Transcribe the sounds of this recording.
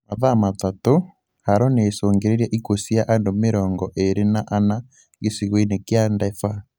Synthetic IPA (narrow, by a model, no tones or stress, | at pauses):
maðamatato | haɾɔneːsoːŋɡeɾeɾjaʔikosjaʔandomeɾɔːŋɡɔʔeɾenaʔana | ɡesiɣweinekjandɛfa